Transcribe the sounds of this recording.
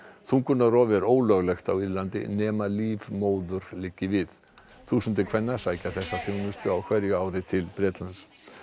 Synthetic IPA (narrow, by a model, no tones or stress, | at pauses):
θunkʰʏnːarɔːvɛɾoːwlœɣlɛxt̪awiɾlant̪ɪ̰nɛːmaliːvmoːwðʏɾ̥lɪcːɪvɪð | θusʏnt̪ɪkʰvɛnːasaːjcaθɛsːaθjownʏst̪ʏawkʰvɛɾjʏaːwɾɪt̪ʰɪlpɾɛːt̪lans